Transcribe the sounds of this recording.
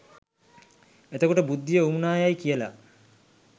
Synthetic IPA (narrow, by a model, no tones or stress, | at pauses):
et̪əkoʈəbud̪ːijəumunaːjajkijəla̰